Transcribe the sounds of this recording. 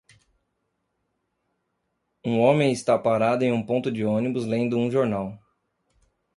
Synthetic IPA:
ũõmẽj̃ɪst̪apaɾad̪ʊẽj̃ũpõnt̪ʊd͡ʒɪõnibʊzlẽnd̪ʊũʒoɾnaw

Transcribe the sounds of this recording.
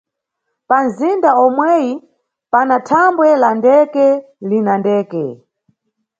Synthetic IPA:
panzindaɔmwɛji | panatʰambwɛlandɛkɛ | linandɛːkɛ

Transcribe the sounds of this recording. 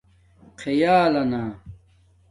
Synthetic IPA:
qʰejaːlɐnaː

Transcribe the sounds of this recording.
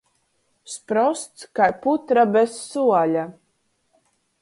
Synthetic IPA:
spɾɔst̪skajput̪ɾabɛsːuɔlʲa

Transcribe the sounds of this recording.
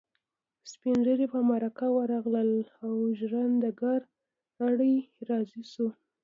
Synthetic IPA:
spinʒəɾepamaɾakawəɾɑɣləlawʒɾand̪əɡaɾ | aɽəjɾɑzisu

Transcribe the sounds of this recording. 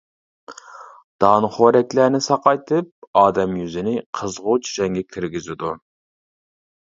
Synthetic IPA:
d̪̥ɑnχoɾɛkʲlæɾnɪsɑqɑjt̪ʰɨp̚ɑːd̪ɛmjyzɪnɪqʰəzʁʊt͡ʃʰʒɛŋɡʲɛkʲʰiɾɡʲizɪd̪u

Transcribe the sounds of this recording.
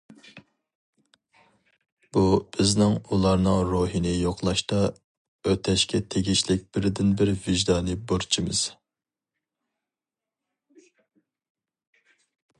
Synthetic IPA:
b̥ub̥ɪznɪŋulˠɑɾnɨŋɾoɦinɪjoqlˠɑʃt̪ɑ | øt̪ʰɛʃkʲɛt̪ʰeɡʲiʃlɪk̚ʲb̥ɪɾɪd̪ɪnbɪɾvɪʒd̪ɑːnɨboɾt͡ʃʰimɨz̥

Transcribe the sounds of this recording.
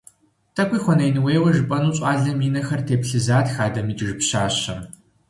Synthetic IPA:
tʰɐkʷʼiːxʷɔnɐjnweːwɐʒɨpʼɐnuːɕʼaːɮɐmiːnɐxɐrtʰeːpɬɨzaːtxaːdɐmiːtʒɪpɕaːɕɐm

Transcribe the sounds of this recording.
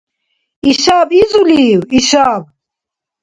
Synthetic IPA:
iʃabizuliwiʃab̚

